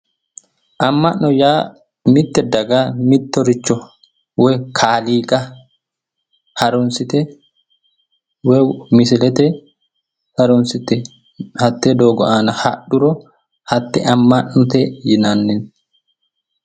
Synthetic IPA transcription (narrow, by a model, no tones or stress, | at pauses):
ʔɐmːɐʔɔjaː | mɪt̪ːɛd̪ɐɡaːmɪt̪ːɔɾɪt͡ʃːɔ | wɔjkʰaːliːkʼɐ | hɐɾʊnsɪt̪ɛ | wɛmɪsɪlɛt̪ɛ | hɐɾʊnsɪt̪ɛ | hɐt̪ːed̪oːɡɔʔaːnɐhɐ̰ɗʊɾɔ | hɐt̪ːɛ̰ʔɐmːɐʔnʊt̪ɛjɪnɐnːɪn